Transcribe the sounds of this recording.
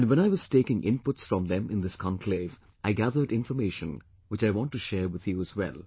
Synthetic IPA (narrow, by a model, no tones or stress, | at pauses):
nwɛ̃ñaɪʋʌz̥teːkɪ̃ŋʔɪ̰̃npʊtsfɹɔ̃mðɛ̃mɪ̃nd̪ɪskʰɑ̃nkʰleːv | ʔaɪɡæðə˞ɖɪ̃nfəmeɪʃə̃n | wɪt͡ʃaɪwɔ̃nʈːuʃɛːɹwɪð̥juəzwɛ̰lˠ